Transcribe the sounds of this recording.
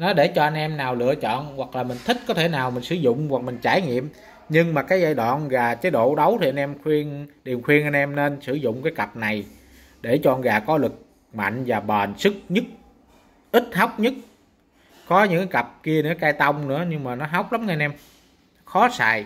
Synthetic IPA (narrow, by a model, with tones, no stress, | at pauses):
nɔ˨˦ɗe˧˩t͡ɕɔ˧ʔa˧nʔɛ˧mnaː˨˩wlɨ̰˧˨ət͡ɕɔ̰˧˨nɣwa˨˩k̚laː˨˩mï˨˩ŋ̟t̪ʰï˦˥k̟̚kɔ˨˦t̪ʰe˧˩naː˨˩wmï˨˩ŋ̟sɨ˧˩zʊ̰˧˨ŋ͡mwa˨˩k̚mï˨˩ŋ̟t͡ɕaː˧˩jŋḭ˧˨əm | ɲɨ˧ŋmaː˨˩kaː˨˦jzaː˧jɗwa̰ː˧˨nɣaː˨˩t͡ɕa˨˦jɗo̰˧˨ɗə˨˦wt̪ʰi˨ʔa˧nʔɛ˧mxwi˧ənɗi˨˩əmxwi˧ənʔa˧jnʔɛ˧mne˧nsɨ˧˩zʊ̰˧˨ŋ͡mkaː˨˦jka˨˩p̚na˨˩j | ɗe˧˩t͡ɕɔ˧˨nɣaː˨˩kɔ˨˦lɨ˨˩k̚ | ma̰˧˨jŋ̟vaː˨˩ɓaː˨˩nsɨ˦˥k̚ɲɨ˦˥k̚ | ʔï˦˥t̚ha˦˥wk͡p̚ɲɨ˦˥k̚ | kɔ˨˦ɲɨ̰˧˥ŋkaː˨˦jkə˨˩p̚ki˧ənɨ̰˧˥əkaː˧jt̪a˧wŋ͡mnɨ̰˧˥əɲɨ˧ŋmaː˨˩nɔ˨˦ɦa˦˥wk͡p̚la˨˦mŋː˧nʔɛ˧m | xɔ˨˦sa̰ː˧˨j